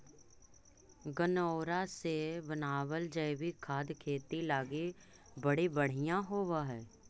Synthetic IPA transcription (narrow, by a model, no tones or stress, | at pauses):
ɡənoːɾasebənaːwəld͡ʒəːwikʰaːd̪kʰeːt̪ilaːɡe | bɐɽibəɽ̤ijãɦoːʋaɦɛː